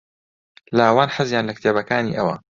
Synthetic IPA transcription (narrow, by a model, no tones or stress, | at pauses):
laːwaːnħəzjaːnlɐkt̪ʰeːbɐkaːnḭːʔɐwɐ̰